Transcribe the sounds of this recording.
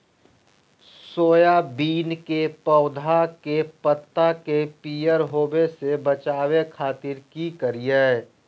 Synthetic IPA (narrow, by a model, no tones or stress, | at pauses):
soːjabiːnkepɔʊd̪ʱakepət̪ːakepiːjəɾɦoːbesebət͡ʃaːwekʰaːt̪ɪɾkikəɾijɛː